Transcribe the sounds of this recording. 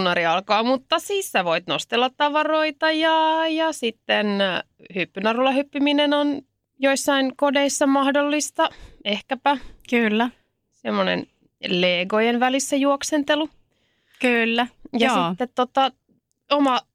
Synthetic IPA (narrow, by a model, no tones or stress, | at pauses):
nːɑɾiɑlkɑːmut̪ːɑsiːssæʋoit̪nost̪elːɑt̪t̪ɑʋɑroit̪ɑjɑjɑsit̪ːen | hypːynɑrulːɑhypːiminenon | joisːɑinkodeisːɑmɑhdolːist̪ɑehkæpækylːæ | semːonḛn | leːɡojenʋælisːæjuoksent̪elu | kylːæjɑsit̪ːet̪t̪ot̪ɑ | omɑ